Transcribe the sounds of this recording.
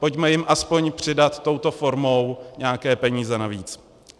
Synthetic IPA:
po̞cmɛjɪmʔaspo̞ɲpr̝̥ɪdat̪ːo̞wt̪o̞fo̞ɾmo̞wɲɛakɛːpɛɲiːzɛnaviːt͡s

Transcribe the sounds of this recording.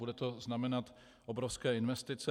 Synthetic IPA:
udɛt̪o̞znamɛnat̪ | ʔobɾofskɛːɪnvɛst̪ɪt͡sɛ

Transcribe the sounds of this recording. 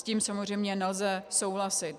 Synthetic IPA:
sciːmsamozr̝ɛjmɲɛnɛlzɛsowɦlasɪt̪

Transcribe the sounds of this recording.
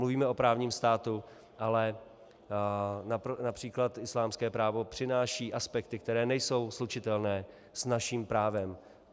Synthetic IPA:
mluviːmɛo̞pɾaːvɲiːmst̪aːt̪u | ʔalɛ | nanapr̥iːklat̪ʔɪslaːmskɛːpɾaːvo̞pr̥ɪnaːʃiːʔaspɛkt̪ɪk̚t̪ɛɾɛːnɛjso̞wslut͡ʃɪt̪ɛlnɛː | snaʃiːmpɾaːvɛm

